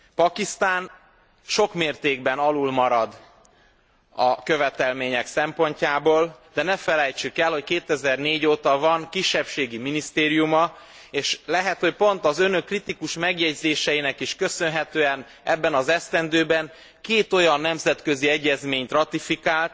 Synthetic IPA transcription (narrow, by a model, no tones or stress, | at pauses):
pɒkist̪aːn | ʃo̞kmeːrt̪eːɡbɛnɒlulmɒɾɒd̪ | ɒkø̞vɛt̪ɛlmeːɲɛksɛmpo̞ɲcaːboːld̪ɛnɛfɛlɛjt͡ʃykɛlho̞ckeːt̪ɛzɛrneːɟoːt̪ɒvɒŋkiʃːɛpʃeːɡiminist̪eːɾijumɒ | eːʃlɛɦɛt̪ho̞cpo̞nt̪ɒzø̞nø̞kːrit̪ikuʃmɛɡjɛɟzeːʃɛjinɛkiʃkø̞sø̞nɦɛt̪øːɛn | ɛbːɛnɒzɛst̪ɛnd̪øːbɛŋ | keːt̪o̞jɒnːɛmzɛt̪kø̞ziɛɟːɛzmeːɲt̪rɒt̪ifikaːlt̪̚